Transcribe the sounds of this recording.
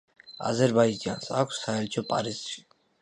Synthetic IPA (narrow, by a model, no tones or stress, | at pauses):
a̰zɛɾbaid͡ʒd͡ʒa̰nsakʷʰsːaɛɾt̪t͡ʃʰɔpʼaɾizʃi̥